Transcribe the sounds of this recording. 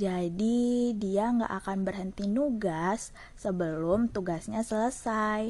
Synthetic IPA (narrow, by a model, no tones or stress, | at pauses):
d͡ʒadidiaŋɡa̰ʔakanbərɦənt̪inuɡasː | əbəlʊmt̪uɡasɲasələsaj